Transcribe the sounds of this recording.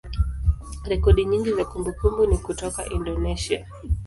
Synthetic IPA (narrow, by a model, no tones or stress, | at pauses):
ɾɛkɔɗiɲiŋɡizakumbukumbunikutɔka̰ʔindɔnɛʃia